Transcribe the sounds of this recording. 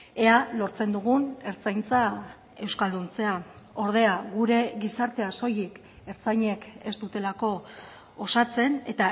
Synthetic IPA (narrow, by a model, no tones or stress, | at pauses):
e̞alo̞ɾt͡se̞nd̪uɣune̞ɾt͡sajnt͡sa | e̞wskald̪unt͡se̞a | o̞ɾðe̞aɣuɾe̞ɣisaɾt̪e̞aso̞jik | e̞ɾt͡sajɲe̞ke̞st̪ut̪e̞lako̞ː | sat͡se̞ne̞t̪a